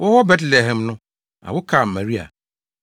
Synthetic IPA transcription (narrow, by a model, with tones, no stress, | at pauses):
wʊ˦hɔ˦bɛ˦tle˨ɦɛ̃˨mnʊ̃˦ | a̰˨wʊ˦kʰa˨ma˨ɾi˦a̰˨